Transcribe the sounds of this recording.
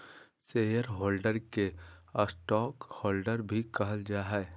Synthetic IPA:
seːjəɾɦoːlɖəɾkeəsʈɔːkhɔːlɖəɾbʱikɐɦəld͡ʒaːɦɛ

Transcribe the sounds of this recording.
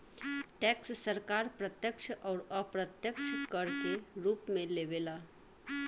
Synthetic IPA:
ʈɛkssəɾkaɾpɾət̪jəkʂʰʔɔɾəpɾət̪jəkʂkəɾk̪eɾuːpmeleʋela

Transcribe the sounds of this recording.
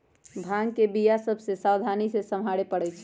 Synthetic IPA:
bʱãŋkebijasəbʱsesawd̪ʱanisesəmɦaɽepəɽɛt͡ʃʰ

